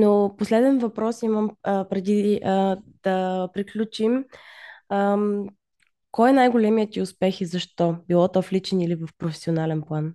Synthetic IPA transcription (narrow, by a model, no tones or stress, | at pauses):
noposlɛd̪ɛnvɐpɾɔsiməmpɾɛd̪i | d̪̥ɐpɾiklʲut͡ʃim | ə | kɔjɛnajɡolɛmijət̪iʊspɛxizɐʃt̪ɔbilˠɔt̪ɔflit͡ʃɛnilivəfpɾofɛ̥sionalɛnplˠan